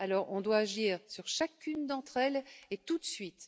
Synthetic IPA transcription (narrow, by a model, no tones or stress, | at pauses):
alɔʁʔɔ̃d̪waːʒiːʁsyʁʃakʲynd̪ɑ̃t̪χɛlet̪ut̪sɥit̪